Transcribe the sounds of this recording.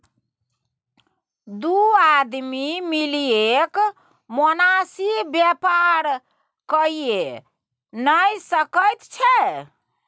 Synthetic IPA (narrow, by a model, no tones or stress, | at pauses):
d̪uad̪mimiliek | monasibjɛpaɾ | kəie | nəjsəkəjt̪t͡ʃʰɛ